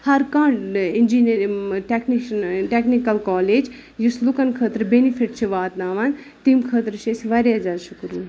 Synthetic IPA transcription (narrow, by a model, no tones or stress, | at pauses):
hɐɾkaɳɖɪnd͡ʒinɾʈekninʈeknikɐlkɔːleːd͡ʒ | juslukɐnkʰəːt̪ɾbenifʰiʈ̚t͡ʃʰiʋaːt̪naːʋɐn | t̪imkʰəːt̪ɾt͡ʃʰesʋɐɾjad͡ʒaːʃukɾuːn